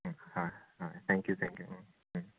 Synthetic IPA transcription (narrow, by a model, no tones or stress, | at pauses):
haɪhaɪθʰɛ̃ŋkjuθʰɛ̰̃ŋkju